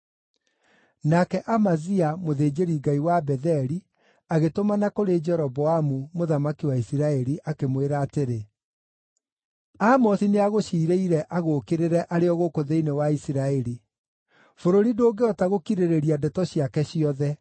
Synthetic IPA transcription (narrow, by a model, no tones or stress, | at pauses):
nakɛʔamaziamoðeːd͡ʑeɾiɡaiwabɛðɛɾi | aɣetomanakoɾed͡ʒɛɾɔbɔamumoðamakiwaisiɾaɛɾiʔakemweɾaːteɾe | amɔsineaɣoɕiːɾeiɾɛʔaɣoːkeɾeɾɛʔaɾeɔɣokoðeinewaisiɾaɛɾi | foɾoɾidoːɡeɔtaɣokiɾeɾeɾiadɛtɔɕiakɛɕiɔðɛ